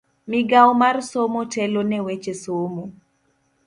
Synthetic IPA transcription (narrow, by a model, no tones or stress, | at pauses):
mɪɡawmarsomotɛlonɛwet͡ʃesomo